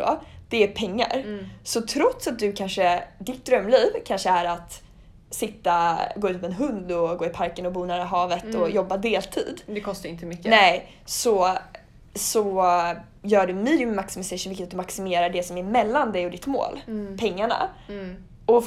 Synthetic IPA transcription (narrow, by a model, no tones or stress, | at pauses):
ɔ̰d̪̥ɛæɾpʰɛŋːa̰ɾsɔt̪ʰɾɔt̪sat̪̚d̪ɵkʰanʂəd̪ɪt̪̚d̪ɾœmːliːvkʰanʂəæɾat̪ | sɪt̪ːaɡoːʉ̟t̪mɛnɦɵnd̪ɔɡoːɪpʰaɾkənɔbuːnæːɾaɦɑːvət̪ɔjɔbːad̪eːlt̪ʰḭːd̪ɛkʰɔst̪aɾɪnt̪əmʏkːnɛ | sɔ | sɔ | jœːɖɵmiːd̪mɛmaksɪmɪsɛʂɵnvɪkətat̪̚d̪ɵmaksɪmeːɾaɖɛsɔmæɾmɛlːand̪ɛjɔd̪ɪt̪mo̰ːlpʰɛŋːaɳa̰ | ɔ